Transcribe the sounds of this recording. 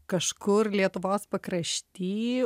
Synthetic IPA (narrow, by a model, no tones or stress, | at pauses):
kɐʃkʊɾlʲiɛt̪ʊʋoːspɐkɾɐʃʲt̪ʲiː